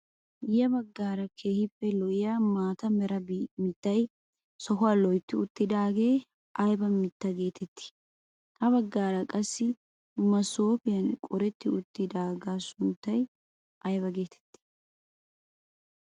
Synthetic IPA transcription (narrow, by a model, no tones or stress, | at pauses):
jɐbɐɡːaːɾɐkʰe̞ːhɪpːɛlɔʔɪjaːmaːt̪ɐmɛɾɐbmɪt̪ːɐj | sɔɦʊwaːlɔjt̪ːɪʊt̪ːɪd̪aːɡe̞ː | ʔɐjbɐmɪt̪ːɐɡe̞ːt̪ʰɛt̪ːɪ̥ | k̪ɐβɐɡːaːɾɐkʼɐsːɪ | mɐso̞ːpɪjɐnkʼɔɾɛt̪ːɪʊt̪ːɪd̪aːɡaːsʊnt̪ːɐj | ʔɐjbɐɡe̞ːt̪ʰɛ̥t̪ːɪ̥